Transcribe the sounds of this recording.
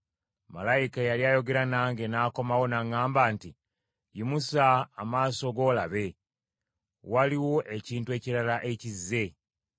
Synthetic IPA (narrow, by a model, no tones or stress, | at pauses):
ma̰laikajaljaːjo̞ɡe̞ɾanaːŋɡe̞naːko̞mawo̞naŋaːmbaːnti | jimusaːmaːsoɡo̞ːlaβe̞ | waliwo̞ʔe̞ciːntue̞ciɾalaʔe̞cizːe̞